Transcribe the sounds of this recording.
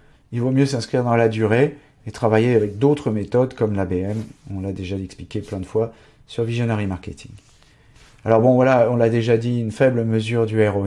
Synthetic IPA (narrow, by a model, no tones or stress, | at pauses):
ilvomjøsɛ̃skχiʁd̪ɑ̃lad̪yʁe | et̪χavajeavɛk̚d̪ot̪χəmet̪ɔd̪kɔmlabeɛmɔ̃lad̪eʒaɛksplikʲeplɛ̃d̪əfwa | syʁvizjɔnaʁimaʁkʲet̪ʰḭŋ | alɔʁbɔ̃vwalaɔ̃lad̪eʒad̪iynfɛbləməzyʁd̪yɛʁɔ